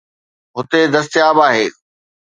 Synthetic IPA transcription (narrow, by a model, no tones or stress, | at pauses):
ɦʊt̪ed̪ɐst̪ɪjaːbaːɦeː